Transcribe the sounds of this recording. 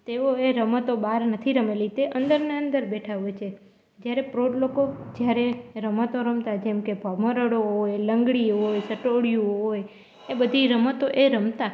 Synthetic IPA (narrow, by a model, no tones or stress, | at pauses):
t̪eʋoeɾəmət̪obaɾnət̪ʰiɾəmelit̪eʔənd̪əɾneə̃nd̪əɾbɛʈʰaʋot͡ʃʰe | d͡ʒjaɾepɾoɖlokod͡ʒjaɾeɾəmət̪oɾəmt̪ad͡ʒɛmkebʱaməɾəɽoɦojləŋɡɽiɦojsəʈoɽjũɦoj | ebəd̪ʱiɾəmət̪oʔeɾəmt̪a